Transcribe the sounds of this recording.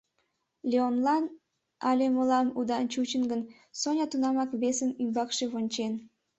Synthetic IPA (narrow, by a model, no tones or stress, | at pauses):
lʲeonlɑn | ɑlʲemolɑmud̪ɑnt͡ɕut͡ɕənɡən | sonʲɑt̪unɑmɑkβesəmymbɑkʃeβonʲt͡ɕen